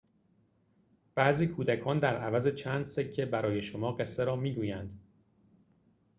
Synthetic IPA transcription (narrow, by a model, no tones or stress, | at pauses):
b̥æʔziːkʰuːd̪ækʰɒːnd̪æɾævæze̞t͡ʃʰæːnd̪secʰːe̞bæɾɒːje̞ʃomɒːɢe̞sːeɾɒːmiːɡuːjænd̪